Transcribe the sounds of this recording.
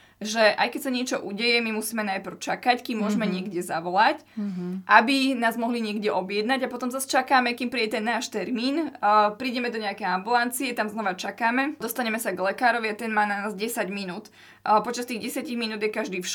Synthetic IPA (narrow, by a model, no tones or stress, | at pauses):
ʒɛʔajkɛcsaɲɪɛt͡ʃɔʔuɟɛjɛmimusiːmɛnajpɾ̩ʊt͡ʃakackimːʊɔʒɛmɛɲɪɛɡɟɛzaʋɔlacʔabinaːzmɔɦliɲɪɛɡɟɛʔɔbjɛd̪naɟapɔt̪ɔmzast͡ʃakaːmɛkiːmpɾiːɟɛt̪ɛnːaːʃt̪ɛɾmiːnpɾiːɟɛmɛd̪ɔɲɛakɛjambulant͡siɛt̪amznɔʋat͡ʃakaːmɛd̪ɔst̪aɲɛmɛsaɡlɛkaːɾɔʋiat̪ɛnmaːnanaːzɟɛsaɟminuːt̪ | pɔt͡ʃast̪iːɣɟɛsjaciɣminuːd̪jɛkaʒd̪iːfʃ